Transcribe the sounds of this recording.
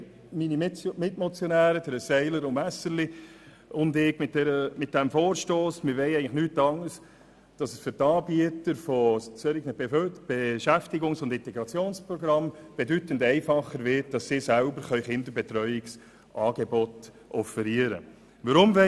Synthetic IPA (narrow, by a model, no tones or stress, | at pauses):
minimɪtmɔt͡sjɔnæːɾəd̥əɾəsɛɪləɾʊnæsəɾli | ʊndɪɡmɪt̚dɛɾəmɪt̚d̥æmfoːɾʃtoːsmɪɾʋɛɪɛɪənləχnyːtːɑŋəɾs | d̥ɑsəsfʏɾtɑːbiətəɾfɔt͡søɾɪkmɪb̥eʃæftɪɡʊŋsʊndɪntɛɡɾɑt͡sjoːnspɾɔɡɾɑmb̥edytəndɛɪfɑχːəɾvɪt̚d̥ɑssɪːsælbəɾχœʏχɪndəɾbɛtɾœʏɪks | ʔɑːɡ̥ebɔt | ʔɔfəɾiəɾə̰ | ʋəɾʊmʋɛ